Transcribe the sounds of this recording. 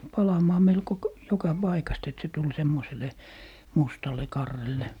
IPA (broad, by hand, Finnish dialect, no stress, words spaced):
pɑlɑmɑː melko k jokɑ b̥ɑikɑst et se tul semːosele mustɑle kɑrːelːe